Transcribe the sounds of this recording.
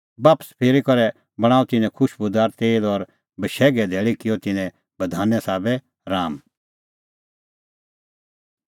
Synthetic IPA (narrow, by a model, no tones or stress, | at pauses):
baːpə̥spʰeːɾikɐɾɛ | bɐɽ̃aːut̪ɪnɛ̃kʰʊʃbʊd̪aːɾt̪eːlɔɾ | bɐʃɛːɡɛd̪ʱɛːɭikɪjɔt̪ɪnɛ̃ | bɐd̪ʱaːnɛsaːbɛ | ɾaːm